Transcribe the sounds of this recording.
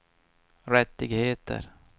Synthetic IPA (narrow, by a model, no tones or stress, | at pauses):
ɾɛt̪ːɪɡheːt̪ə̰ɾ